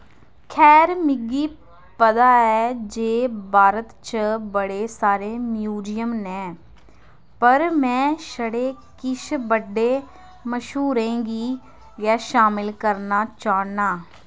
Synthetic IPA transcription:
kʰɛːɾmɪɡiː | pəd̪aːɛːd͡ʒeːbʱaːɾət̪t͡ʃbəɽeːsaːɾeːmjuːd͡ʒɪjəmnɛ̃ː | pəɾmɛ̃ːʃəɽeː | kɪʃbəɖːeː | məʃɦuːɾẽːɡiː | jaːʃaːmɪlkəɾnaːt͡ʃaːnaː

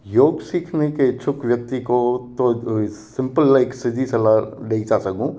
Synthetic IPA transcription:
joːɡsiːkʰneket͡ʃʰʊkʰʋjək̚t̪ikot̪osɪ̃mpəlːaɪksɪd̪ʱisɐlaɖeːit͡ʃaːsəkũ

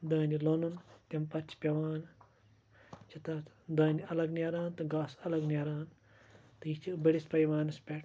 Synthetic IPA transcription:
d̪ɐːnʲilonunt̪ʲɐmpɐt͡ʃʰpʲɐʋaːn | t͡ʃʰɐt̪ɐt̪d̪ɐːnʲiɐlɐɡnʲɐɾaːnt̪ɨɡaːsɐlɐɡnʲɐɾaːn | t̪ɨjit͡ʃʰibɐɽispɐjʋaːnɨspʲɐʈ

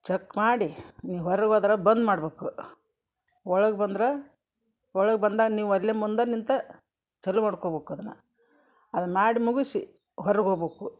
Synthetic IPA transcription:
t͡ʃekːmaːɽiniːwɦɔɾɐɡoːd̪ɾɐbɐnd̪maːɽbeːku | ɔɭɐɡbɐnd̪ɾe | ɔɭɐɡebɐnd̪aːɡɐniːʋɐllːemːund̪ɐnint̪ɐ | t͡ʃɐlːumaːɽkoːbeːkuɐd̪ɐnːɐ̰ | ɐd̪ɐnmaːɽimuɡisi | ɦɔɾɐɡɦoɡbeːku

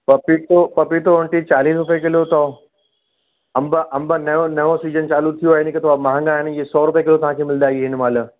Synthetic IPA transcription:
pɐpit̪opɐpit̪oʊɳʈit͡ɕaːliːs̬ɾʊpekɪlot̪ɐ | ɐmbəʔɐ̃mbanɐjõnɐjõsiːd͡ʑənt͡ɕaːlut̪ʰijoaːɦɪnɪkɪt̪ʰoʋamɐɦãŋɡãːɦɪnkesɔːɾʊpjekɪlot̪ɐʋ̤ãkʰemɪld̪aːiɦɪn̆maːlə

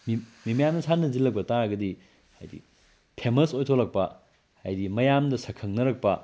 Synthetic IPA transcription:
mimimjamnɐsʰanɐzilːɐk̚pɐtaɡɐdi | ha̰jdḭ | pʰemɐsojtʰolɐk̚pɐ | hajdimɐjamdɐsɐkʰɐŋnɐɾɐk̚pɐ

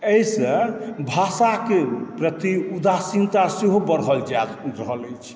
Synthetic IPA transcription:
ejsə̃bʱasakepɾət̪iud̪asint̪aseɦobəɾɦəld͡ʒaɾəɦələjt͡ʃʰ

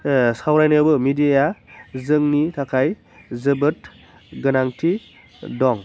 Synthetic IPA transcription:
sawɾajnɯbɯmidijazɯŋnitʰakʰaj | zɯbɯt | ɡɯnaŋtʰi | dɔŋ

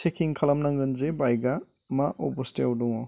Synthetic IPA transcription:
t͡ʃekʰiŋkʰɐlɐmnaŋɡɯnzebajɡa | maʔoposteawduŋɔ

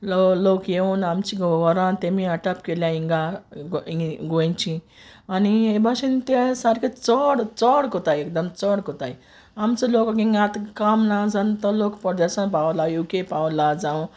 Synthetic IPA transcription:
lolokjeunamt͡ɕiɡʋɔɾãnt̪emĩəʈapkeljãĩŋɡa | ɡot͡ɕi | aniebʱasint̪esaɾkʰet͡sɔɽt͡səɽkot̪ajekd̪əmt͡sɔɽkot̪ai | amt͡səlokaɡĩŋɡat̪kamnad͡zant̪əlokpəd̪əsənpawlajukepawlad͡zãw̃

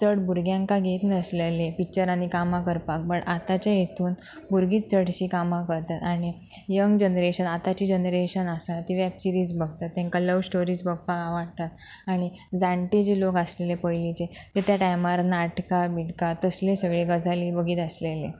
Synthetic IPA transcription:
t͡səɽbuɾɡjãŋkaɡʱet̪nəslelepik̚t͡ɕəɾanikamakəɾpak̚bəɳat̪at͡ɕjajet̪ʰuːn | buɾɡiːtt͡səɽt͡ɕiːkamakəɾt̪at̪aɽ̃ijəŋɡd͡ʑənɾeɕənat̪at͡ɕiːd͡ʑənɾeɕənasat̪iʋɛpsiɾiːd͡zbəɡʱt̪at̪ːẽŋkaləʋsʈoɾiːd͡zbəɡ̚ʱpakaʋaɽt̪at̪aɽ̃i | d͡zãɳʈid͡ʑilokəslelepəjlit͡ɕet̪et̪ʰjaʈajmaɾnaʈkabiʈkat̪əslesəɡɭeɡəd͡zʱaliːbəɡʱiːt̪əslele

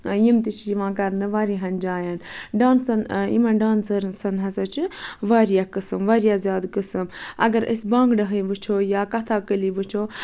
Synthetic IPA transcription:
jimt̪it͡ʃʰjiʋãːkɐɾnɨʋaːɾiɦɐnd͡ʒaːjanɖaːnsɐnḭmãnɖãːnsɐɾnsɐnɦɐsɐt͡ʃʰiʋaːɾijaːkɨsɨmʋaɾijaːzʲjaːd̪kəsɨmɐ̰ɡɐɾə̰sʲbãːŋɡɖɐɦəjʋɨt͡ʃʰoːjaːkɐt̪ʰaːkəliʋɨt͡ʃʰoː

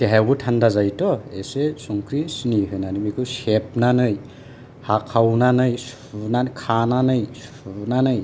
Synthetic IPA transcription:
teɦaɡɯtʰandazajtɔesesuŋkʰɾisiniɦɯjnanɯmikʰɯsep̚nanɯj | hakʰawnanɯjs | unankʰananɯjs | unanɯj

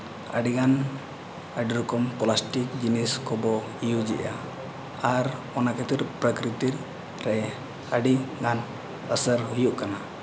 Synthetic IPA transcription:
ə̰ɖiɡan | əɖiɾɔkɔmkɔlasʈikd͡ʒiniskɔbɔ | ijud͡ʒḭʔa | aɾ | ɔnakʰət̪iɾpɾəkɾit̪iɾ | ɾɛʔɛ | əɖiɡan | əsəɾɦujuʔkana

